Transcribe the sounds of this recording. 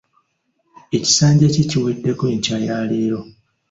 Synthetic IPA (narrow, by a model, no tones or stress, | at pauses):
e̞ci̥saːɲɟeciciwiːdːe̞kweːɲcajaːleːɾo̞